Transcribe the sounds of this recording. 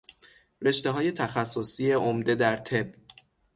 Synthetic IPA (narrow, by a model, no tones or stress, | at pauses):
ɾe̞ʃt̪eɦɒːje̞t̪ʰæxæsːosijeomd̪e̞d̪æɾt̪ʰe̞b̚